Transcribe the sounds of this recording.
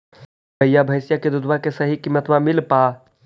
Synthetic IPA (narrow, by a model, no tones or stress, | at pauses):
bəjabʱəjsjaked̪ud̪ʱbakesəɦikimːət̪mamilpa